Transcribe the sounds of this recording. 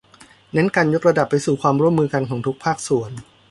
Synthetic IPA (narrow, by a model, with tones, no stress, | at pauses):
ne˦˥nka˧njo˦˥k̚ɾa˧da˨˩pːa˧jsuː˨˩kʰwaː˧mɾu˥˩əmːɯː˧ka˧nkʰɔː˩˦ŋt̪ʰu˦˥k̚pʰaː˥˩k̚su˨˩˦ən